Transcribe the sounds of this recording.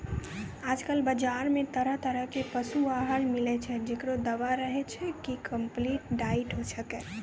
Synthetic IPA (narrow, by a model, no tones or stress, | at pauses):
ad͡ʒkəlbəd͡ʒaɾmet̪əɾəɦt̪əɾəɦkepəsuaɦəlmilɛt͡ʃʰɛd͡ʒekɽod̪əʋaɾəɦɛt͡ʃʰɛkikəmpliʈɖaiʈɦosəkɛ